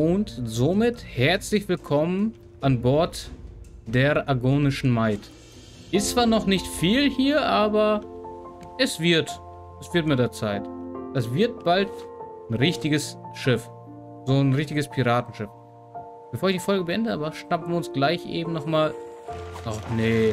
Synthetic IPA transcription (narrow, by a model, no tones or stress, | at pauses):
ʔʊntzomɪthɛɐt͡slɪçv̥ɪlkʰɔmən | ʔanbɔɐt | d̥eːʔaɡoːnɪʃn̩maɪt | ʔɪst͡sv̥aːɐnɔχnɪçtfiːlhiːɐʔaːbɐ | ʔɛsv̥ɪɐt | ʔɛsv̥ɪɐtmɪtdeːɐt͡saɪtd̥asv̥ɪɐt̚b̥alt | nʁɪçtɪɡəsʃɪf | zoːnʁɪçtɪɡəspʰiʁaːtn̩ʃɪf | b̥əfoːɐɪçd̥ifɔlɡəbəʔɛndəʔa̰ːbɐʃnapn̩vʊnsɡ̥laɪçʔḛːbm̩nɔχmaːlʔɔχne